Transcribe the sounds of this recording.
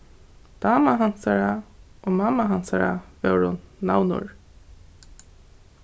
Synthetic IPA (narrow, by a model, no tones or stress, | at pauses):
d̪̥ɑːmaɦansaɹaoːmaːmaɦansaɹavɛwɾʊnːa̰wnʊ̰ɹ